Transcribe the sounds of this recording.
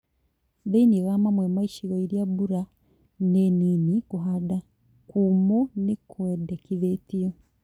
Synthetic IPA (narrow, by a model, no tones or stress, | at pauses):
ðeiniɣamamwemaiʃiɣoiɾjabuɾa | neninikuɦada | kumonekwedekiðetijo